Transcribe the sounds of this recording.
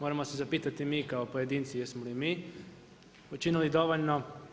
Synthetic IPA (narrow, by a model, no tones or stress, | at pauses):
moɾamosezapiːt̪at̪imiːkaopojed̪iːnt̪sijesmolimiː | ut͡ʃinilid̪o̞ʋoʎno